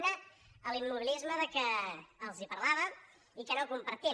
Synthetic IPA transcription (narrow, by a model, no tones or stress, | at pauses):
nə | əlimːuβilizməðəkəːlˠzipərlaβə | ikənokumpəɾt̪i